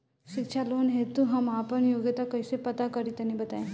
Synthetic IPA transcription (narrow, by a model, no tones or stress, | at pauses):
ʃikʃʰaloːnɦet̪uɦɐmaːpəɳjoːɡjət̪akəjsepɐt̪akɐɾit̪ɐnibɐt̪aẽ